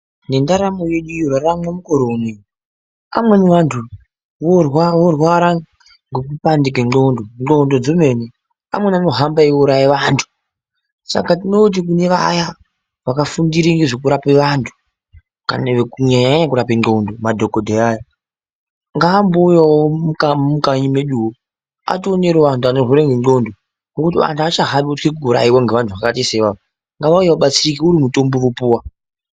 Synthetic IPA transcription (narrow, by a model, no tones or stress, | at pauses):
nendaɾamoje̞ɗujoraramwemukoɾonej | a̰mwe̞niʋantʰu | ʋorwaʋorwaɾa | ŋɡekupandik̬eŋ͡ǃondoŋondo̞d͡zome̞ne | a̰mwenanoɦambaiuɾaiʋantʰu̥ | sa̰katino̞t̬ik̬une̞ʋa̰ja | ʋakafundiɾiŋɡeʐokuɾapeʋantʰu̥ | ka̰naʋekuɲaɲaɲɲakuɾapeŋŋ͡ǃondomadʱo̞kodʱeaːja | ŋɡaːmbojawomukamukaɲimeɗuwo | a̰toneɾeʋantʰuanoroɾeŋɡeɡo̞ndo | nokutiʋa̰ntʰuat͡ʃaɦaɓiutkekuuɾa̰iwaŋɡe̞ʋantʰuʋakatiseʋaa | ŋɡaʋaujeʋaɓat͡siikiuɾimuto̞mborupuːwa